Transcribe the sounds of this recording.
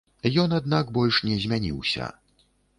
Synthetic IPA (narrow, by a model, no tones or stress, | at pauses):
jɔnad̪naɡbɔlʲʂnʲɛzʲmʲanʲḭwsʲɐ̰